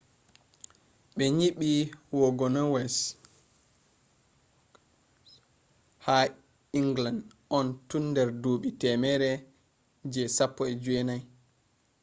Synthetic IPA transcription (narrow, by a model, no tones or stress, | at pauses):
ɓɛɲiɓiwɔɡɔnɔwɛs | ha | iŋɡland | ʔɔntundɛɾdoːɓitɛmɛɾɛ | d͡ʒɛsapːɔɛd͡ʒuɛnaj